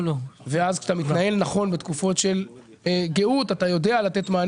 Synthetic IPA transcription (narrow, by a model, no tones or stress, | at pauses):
loveazkʃt̪amit̪naje̞lnaχo̞nbet̪kufo̞tʃe̞l | ɡe̞ut̪at̪ajo̞dealat̪e̞t̪maːn